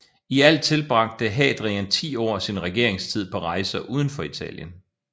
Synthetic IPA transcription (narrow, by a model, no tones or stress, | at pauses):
iæl̰t͡sʰe̝lb̥ʁɑ̈ɡ̥̚d̥əɦɛ̰ːd̥ʁiænt͡sʰḭːɒ̰ːsinʁɛɡ̥e̝̰ɐ̰e̝ŋst͡sʰið̞̰ˠpʰɒ̽ʁɑ̈ɪsɐʔuːð̞ˠn̩fɒ̽it͡sʰɛ̰ːljən